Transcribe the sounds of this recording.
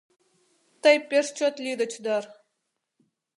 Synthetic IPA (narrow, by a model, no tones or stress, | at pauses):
t̪əjpʲeʃt͡ɕot̪lʲid̪ə̆t͡ɕd̪ɑr